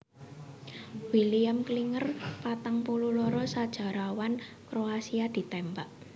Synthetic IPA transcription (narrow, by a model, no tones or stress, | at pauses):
wiliamkliŋərpat̪aŋpululɔɾɔsad̥ʒ̥a̤ɾawan | kɾoasiad̪̥i̤t̪ɛmbaʔ